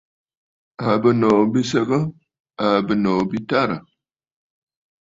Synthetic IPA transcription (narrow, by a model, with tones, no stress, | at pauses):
a˨bə˨no˨bi˦sə˦ɡə˦ | a˨bə˨no˨bi˦ta˦ɾə˨